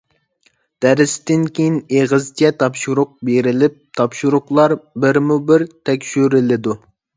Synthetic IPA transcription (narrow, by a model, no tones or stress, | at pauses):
d̪̥æɾɪst̪ɪnkʲejineʁɨzt͡ʃʰɛt̪ʰɑpʃuɾʊq̚beɾɪlɪp̚t̪ʰɑpʃuɾʊqlˠɑɾbɪɾmubɪɾt̪ʰɛkʲʃyɾɪlɪd̪u